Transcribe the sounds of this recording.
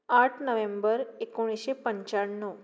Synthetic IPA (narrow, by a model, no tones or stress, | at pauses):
aʈʰnəʋembəɾekoɽ̃iɕepəɲt͡ɕaɽnːə